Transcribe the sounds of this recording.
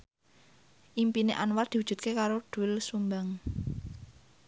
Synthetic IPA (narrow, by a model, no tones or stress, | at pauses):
ʔimpineʔanward̪̥i̤wud̥ʒ̥ṳt̪̚kekaɾoɖ̥ṳɪlsumbaŋ